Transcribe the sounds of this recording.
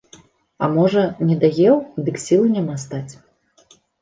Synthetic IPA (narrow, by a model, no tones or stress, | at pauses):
ɐ̰mɔʐɐnʲɛd̪aɣʲɛwd̪ɨksʲilˠɨnʲamast̪at͡sʲ